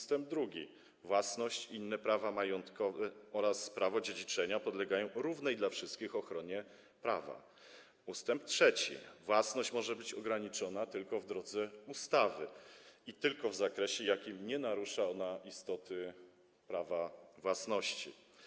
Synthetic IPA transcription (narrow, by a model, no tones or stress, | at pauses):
ust̪ɛmb̚d̪ɾuɡʲḭ | vwasnɔɕt͡ɕinːɛpɾavamajɔnt̪kɔvɛɔɾaspɾavɔd͡ʑed͡ʑit͡ʂɛɲapɔd̪lɛɡajɔ̃w̃ɾuvnɛjd̪lafʂɘst̪kʲixɔxɾɔɲɛ | pɾava̰ | ust̪ɛmp̚tʂɛt͡ɕḭvwasnɔɕt͡ɕmɔʐɛbɘt͡ɕɔɡɾaɲit͡ʂɔnat̪ɘlkɔvd̪ɾɔd̪zɛust̪avɘit̪ɘlkɔvzakɾɛɕɛjakʲimɲɛnaɾuʂaɔnaʔist̪ɔt̪ʰɘ | pɾavavwasnɔɕt͡ɕḭ